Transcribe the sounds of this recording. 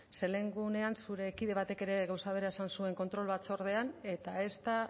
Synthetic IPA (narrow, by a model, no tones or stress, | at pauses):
se̞le̞ŋɡune̞ansuɾe̞kiðe̞β̞at̪e̞ke̞ɾe̞ɣawsaβ̞e̞ɾaesansue̞ŋko̞nt̪ɾo̞lβat͡so̞ɾð̞e̞ane̞t̪ae̞st̪a